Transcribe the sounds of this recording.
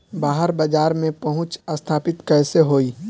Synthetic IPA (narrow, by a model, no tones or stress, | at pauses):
baːɦəɾbad͡ʒaːɾmẽpɐɦʊ̃t͡ʃɐst̪ʰaːpɪt̪kɛːseɦoːiː